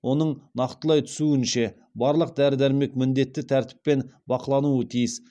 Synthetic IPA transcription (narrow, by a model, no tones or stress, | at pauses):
wʔo̞nəɴnɑqt̪əlˠɑjt̪ʰʏ̥suɪnʃe̞ | bɑɾlˠəq̚d̪æɾɪd̪æɾme̞kmɪnd̪e̞t̪ːɪt̪ʰæɾt̪ɪ̥pːe̞nbɑqəlˠɑnuət̪ʰijɪs